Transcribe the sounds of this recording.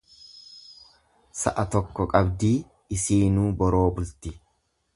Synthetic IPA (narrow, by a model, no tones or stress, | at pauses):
sɐʔɐt̪ɔkːɔkʼɐbd̪iː | ɪsiːnuːbɔɾo̞ːbʊlt̪ɪ